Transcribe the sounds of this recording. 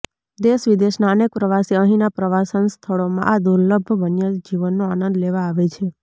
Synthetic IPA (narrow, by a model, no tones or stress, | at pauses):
d̪eʃʋid̪eʃnaənek̚pɾəʋaseəɦĩnapɾəʋasənst̪ʰəɭomã̰ʔad̪uɾləbʱʋənjəd͡ʒiʋənːoanə̃nd̪leʋaːʋet͡ʃʰe